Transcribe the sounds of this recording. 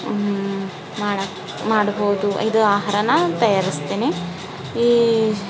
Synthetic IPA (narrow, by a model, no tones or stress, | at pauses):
maːɽɐ | maːɽboːud̪uid̪uaːɦaɾɐnɐt̪ɐjaːɾist̪eːne | iː